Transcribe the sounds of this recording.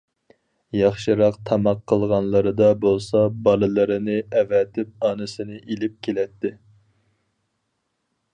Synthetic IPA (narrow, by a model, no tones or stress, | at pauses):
jɑχʃɨɾɑqt̪ʰɑmɑqʰːəlˠʁɑnlˠɨɾɨd̪ɑbolˠsɑbɑlˠɨlˠɨɾɨnɨɛvɛt̪ʰɪp̚ɑːnɨsɨnɨʔelɪp̚kʲʰelɛt̪ʰːɪ